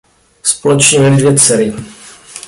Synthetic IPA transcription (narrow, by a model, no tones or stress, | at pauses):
spolɛt͡ʃɲɛmɛlɪdvjɛt͡sɛɾɪ